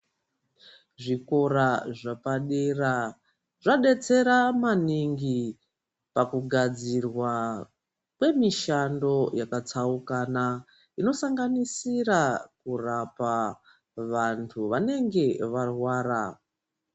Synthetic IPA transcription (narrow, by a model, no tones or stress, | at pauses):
ʐiko̞ɾaʐapaɗera | ʐaɗe̞t͡se̞ɾamaniŋɡi | pakuɡʱad͡zirwa | kwe̞miʃando̞jakat͡saukana | ino̞saŋɡanisiɾakurapa | ʋantʰuʋane̞ŋɡe̞ʋarwaːra̰